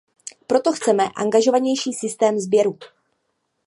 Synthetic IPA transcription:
pɾo̞t̪o̞xt͡sɛmɛʔa̰ŋɡaʒo̞vaɲɛjʃiːsɪst̪ɛːmzbjɛɾu

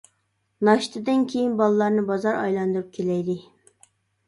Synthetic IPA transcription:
nɑʃt̪ʰɨd̪ɨnkʲʰejinbɑlˠɨlˠɑɾnɨbɑzɑɾɑ̰jlˠɑnd̪uɾup̚kʲʰelɛjd̪ɪ

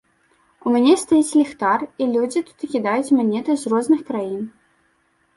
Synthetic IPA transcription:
umʲanʲɛst̪ajit͡sʲlʲixt̪arilʲud͡zʲit̪u̥t̪kʲid̪ajut͡sʲmanʲɛt̪ɐzrɔznɨxkɾajin

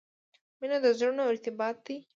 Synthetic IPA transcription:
minad̪əzɾunoɪɾt̪ɪbɑt̪̚d̪i

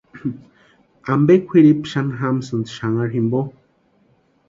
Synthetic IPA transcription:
ambekʷʰiɾipʃanɦamsɨnd̪ʃaŋaɾɦimbo

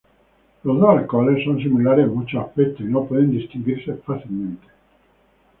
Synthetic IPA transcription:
lozd̪oalkɔlessːonsimulaɾemut͡ʃoafpet̪ːoinopɔðend̪ist̪iŋɡwirsefaθilment̪e̥

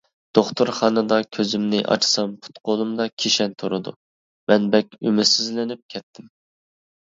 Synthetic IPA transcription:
d̪̥oχt̪ʰuɾχɑːnɨd̪ɑkʲʰøzymnɪʔɑ̰t͡ʃʰsɑmpʰu̥t̪qʰolˠumd̪ɑkʲʰeʃɛnt̪ʰoɾɨd̪ṵ | mɛnbɛkʲymɪsizlɪnɪp̚kʲʰɛt̪ʰːɪm

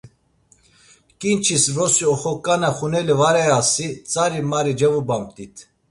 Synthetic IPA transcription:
kʼint͡ʃʰisvɾɔsiɔχɔkʼːanaχunɛlivaɾɛasit͡sʼaɾimaɾid͡ʒɛvubamt̪ʼit̪ʰ

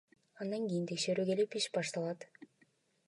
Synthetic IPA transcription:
ɑnd̪ɑŋɡʲijint̪ʰe̞kʃe̞ɾyːke̞lipiʃbɑʃt̪ɑlˠɑt̪

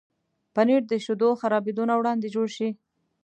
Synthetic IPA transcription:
paniɽd̪əʃud̪oxaɾɑbed̪onawɽɑnd̪ed͡ʒoɽʃi

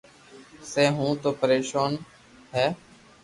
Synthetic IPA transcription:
seːɦũːt̪oːpəɾeːʃaːn | ɦɛː

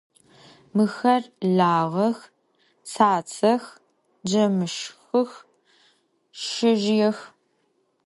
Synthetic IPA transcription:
mɨxɐrɮaːʁɐx | saːt͡sʰɐx | d͡ʒɐmɨʃxɨx | ʃɪʒjɛx

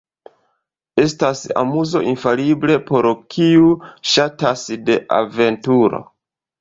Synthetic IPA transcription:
e̞stasa̰muzo̞̰ʔinfalible̞po̞ɾkʰiuʃatasde̞ʔa̰ve̞ntuɾo̞̰

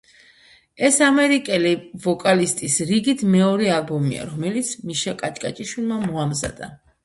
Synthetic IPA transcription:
ɛsamɛɾikʼɛlivɔkʼalist̪ʼisɾiɡit̪ʰmɛɔɾɛalbɔmḭa̰ɾɔmɛlit̪sʰmiʃakʼat͡ʃʼkʼat͡ʃʼiʃwilˠmamɔamza̰d̪a

